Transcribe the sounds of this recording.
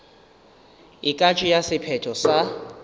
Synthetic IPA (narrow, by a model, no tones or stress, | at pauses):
ikʼat͡ʃʼijasɪpʰɛtʰɔsa